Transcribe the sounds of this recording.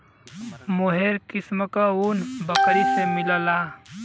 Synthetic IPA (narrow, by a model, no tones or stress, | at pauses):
moɦeɾkisməkəunbəkɾisemiləla